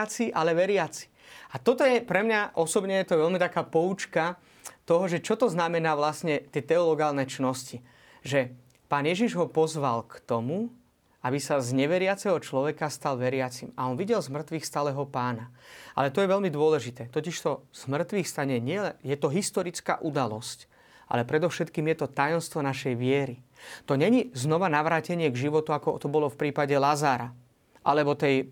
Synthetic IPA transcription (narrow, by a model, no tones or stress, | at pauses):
at͡siʔalɛʋɛɾɪat͡si̥ | at̪ɔt̪ɔjɛpɾɛmɲaʔɔsɔbɲɛjɛt̪ɔʋɛlmit̪akaːpɔut͡ʃka | t̪ɔɦɔʒɛt͡ʃɔt̪ɔznamɛnaːʋlasɲɛt̪ɪɛt̪ɛɔlɔɡaːlnɛt͡ʃnɔsci | ʒɛ | paːnjɛʒiʒɦɔpɔzʋalkt̪ɔmu | abisazɲɛʋɛɾɪat͡sɛɦɔt͡ʃlɔʋɛkast̪alʋɛɾɪat͡sima̰ɔnʋiɟɛlzmr̩t̪ʋiːxst̪alɛɦɔpaːnaa̰lɛt̪ɔjɛʋɛlmid̪ʊɔlɛʒit̪ɛːt̪ɔciʃt̪ɔz̥mr̩t̪ʋixst̪aɲɛɲɪɛlɛjɛt̪ɔɦist̪ɔɾit͡ska̰ːʔud̪alɔsc | ʔa̰lɛpɾɛd̪ɔʊʃɛt̪kiːmjɛt̪ɔt̪ajɔmst̪ʋɔnaʃɛjʋɪɛɾit̪ɔɲɛɲiznɔʋanaʋɾaːcɛɲɪɛɡʒiʋɔt̪uakɔt̪ɔbɔlɔfpɾiːpaɟɛlazaːɾa | ʔalɛbɔt̪ɛj